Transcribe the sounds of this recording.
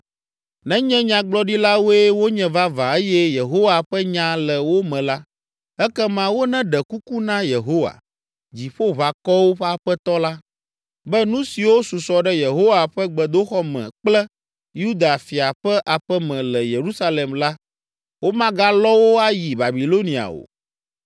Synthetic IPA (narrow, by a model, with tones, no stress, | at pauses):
nɛ̃˦ɲɛ̃˦ɲã˨ɡ͡blɔ˦ɖi˦la˦wo˦ɛ˦wo˦ɲɛ̃˨va˦va˨e˦jɛ˦je˨ɦo˦wa˨ɸɛ˦ɲã˨lɛ˨wo˦mɛ̃˨la˦ | ɛ˦kɛ˦mã˦wo˦nɛ̃˦ɖɛ˨ku˦ku˦nã˦je˨ɦo˦wa̰˨ | d͡ʑi˨ɸo˦βa˨kɔ˦wo˦ɸɛ˦a˨ɸɛ˦t̪ɔ˦la˦ | bɛ˦nũ˦si˨wo˦su˨sɔ˨ɖɛ˦je˨ɦo˦wa˨ɸɛ˦ɡ͡bɛ˨d̪o˦xɔ˦mɛ̰̃˨k͡plɛ˦ | ju˦d̪a˨fi˨a˨ɸɛ˦ʔa˨ɸɛ˦mɛ̃˨lɛ˨je˨ɾu˦sa˦le˨mla˦ | wo˦mã˦ɡa˦lɔ˦wo˦a˦ji˨ba˨bi˨lo˦nĩ˨a̰˨o̰˨